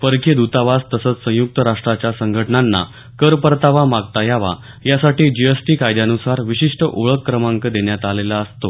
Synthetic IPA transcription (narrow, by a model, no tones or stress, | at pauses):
pəɾkjəd̪ut̪aʋast̪əsət͡ssə̃juk̚t̪əɾaʂʈɾat͡ɕjasəŋɡʱəʈɳanːa̰ | kəɾpəɾt̪aʋamaɡt̪ajaʋa̰ | jasaʈiːd͡ʑijəsʈiːkajd̪janusaɾʋiɕiʂʈəʔoɭəkːɾəmãŋkəd̪eɳjat̪alelaəst̪o